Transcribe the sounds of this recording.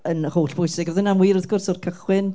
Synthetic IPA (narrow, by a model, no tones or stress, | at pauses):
ənhoːɬb̥ʊjsɪɡəðənamwiːɾɔθɡʊrsɔrkʰəχwɪn